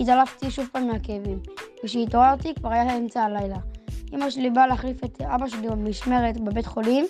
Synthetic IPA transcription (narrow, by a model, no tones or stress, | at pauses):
it̪alaft̪iʃuvpaːmimakevimveʃ̬eit̪oʁaʁt̪ikvaʁajaemt͡saalajlaʔimaʃlibaleaχlifet̪abaʃeliamiʃme̞ʁet̪bebe̞t̪χo̞lim